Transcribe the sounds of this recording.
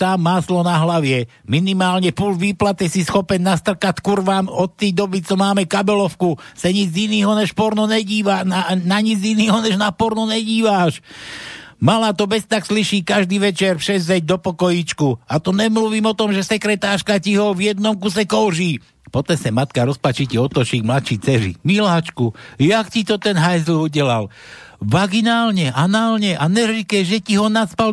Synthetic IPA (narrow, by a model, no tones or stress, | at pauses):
t̪amːaːslɔnaɦlaʋɪɛ | minimaːlɲɛpulʋiːplat̪isisxɔpɛnnast̪r̩kat̪kuɾʋaːmɔt̪ːɛjd̪ɔbit͡sɔmaːmɛkabɛlɔfkusaɲid͡ziniːɦɔɲɛʃpɔɾnɔnɛɟiːʋananaɲid͡ziniːɦɔɲɛʒnapɔɾnɔɲɛɟiːʋaʃ | malat̪ɔbɛst̪aksliʃiːkaʒd̪iːʋɛt͡ʃɛɾfʃɛzɛɟ̚d̪ɔpɔkɔjiːt͡ʃkuat̪ɔɲɛmluʋiːmɔt̪ɔmʒɛsɛkɾɛt̪aːʃkaciɦɔvjɛd̪nɔmkus̬ɛkɔʊʒiː | pɔt̪ɛsɛmat̪kaɾɔspat͡ʃiciɔt̪ɔt͡ʃiːɡmlat̪t͡ʃiːt͡sɛɾḭmilaːt͡ʃkujakcit̪ɔt̪ɛnɦajzl̩uɟɛlal | ʋaɡinaːlɲɛʔanaːlɲɛʔanɛɾikɛʒɛciɦɔnaspal